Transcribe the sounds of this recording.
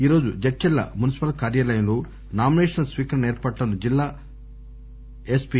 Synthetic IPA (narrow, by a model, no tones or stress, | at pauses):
iːɾo̞ːd͡ʒud͡ʒɐʈt͡ʃːɛlːɐ̰munisi̥pɐlkaːɾjaːlɐjɐlu | naːmineːʂɐnɐlsʋiːkɐɾɐnɐeːɾpɐʈlɐnːud͡ʒilːaː | espi